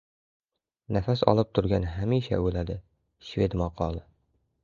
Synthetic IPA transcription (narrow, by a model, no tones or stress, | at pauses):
nafasɒ̰lˠɪp̚t̪ʰʊɾɡʲanɦamiʃa̰ɵlad̪ɪ | ʃved̪mɒqʰɒlˠɪ